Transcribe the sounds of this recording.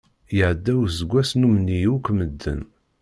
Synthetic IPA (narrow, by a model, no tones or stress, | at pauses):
jəʕəd̪ːæwzəɡʷæsnumnːijukʷməd̪ːə̰n